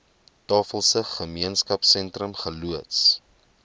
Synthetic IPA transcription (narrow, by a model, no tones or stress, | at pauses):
tɑːfəlˠsəχəmiənskɐpsɛntrəmχəluəts